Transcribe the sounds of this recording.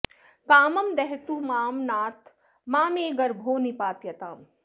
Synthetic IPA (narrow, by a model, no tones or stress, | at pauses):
kaːmɐmd̪ɛɦt̪uːmaːmnaːt̪ | maːmeːɡɐɾbʱoːnipaːt̪jɐt̪aːm